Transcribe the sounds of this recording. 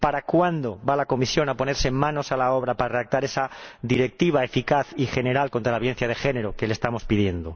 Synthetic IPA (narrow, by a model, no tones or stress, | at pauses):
paɾakwand̪oβalako̞misjo̞napo̞ne̞ɾseemmːãno̞salao̞β̞ɾapaɾareðak̚t̪aɾe̞sad̪iɾe̞k̚t̪iβ̞ae̞fikaθixe̞ne̞ɾalko̞nt̪ɾalaβje̞n̟θjað̞e̞xe̞ne̞ɾoke̞lest̪amo̞spið̞je̞nd̪o